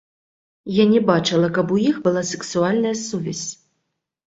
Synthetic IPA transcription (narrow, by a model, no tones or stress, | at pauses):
janʲɛbat͡ʂɨlˠɐkɐbujixbɨlˠasɛksualʲnɐjɐsuvʲɛsʲ